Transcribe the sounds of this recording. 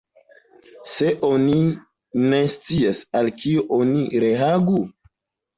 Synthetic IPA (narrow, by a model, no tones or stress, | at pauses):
se̞ʔoni | nest͡siasalkioʔoniɾe̞aɡu